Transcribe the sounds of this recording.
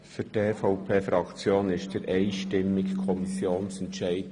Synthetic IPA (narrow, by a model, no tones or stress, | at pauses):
fyd̥eːfɑʊpʰeːfɾɑkt͡sjoːnɪʃtd̥əɾʔɛɪʃtɪmɪkkʰɔmisjoːnsɛntʃæɪd